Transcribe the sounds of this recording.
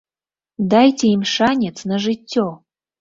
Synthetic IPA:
d̪ɑjtʲeimʂanʲet͡snaʐɨtʲːo

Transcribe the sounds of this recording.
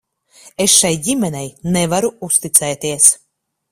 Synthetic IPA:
esʃajɟʲimʲɛnɛjnevaɾuust̪it̪sɛːt̪iɛs

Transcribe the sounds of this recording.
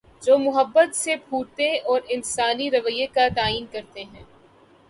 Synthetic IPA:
d͡ʒoːmʊɦəbːət̪sebʱuːʈt̪eɔːɾɪnsaːniɾɐʋəjekat̪aːiːnkɐɾt̪eɦɛ̃ː

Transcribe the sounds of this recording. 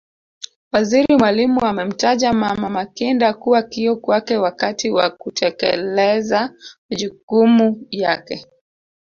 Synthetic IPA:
waziɾimwalimuamɛm̩taʄamamamakindakuwakiɔkwakɛwakatiwakutʰɛkɛ̰lɛzamaʄukumujakɛ

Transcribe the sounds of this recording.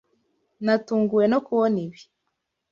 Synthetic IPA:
natuːŋɡuwe̞nokuwoniβi

